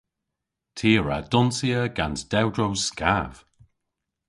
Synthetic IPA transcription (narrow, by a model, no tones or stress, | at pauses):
tʰiːɹa̰d̥ɔnsiəɡansd̥ɛwdɹowskav̥